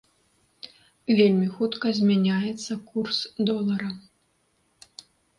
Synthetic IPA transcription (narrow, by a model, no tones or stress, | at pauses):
vʲelʲmʲixut̪kɐzʲmʲanʲajɛt̪sːɐkursd̪ɔlˠɐɾɐ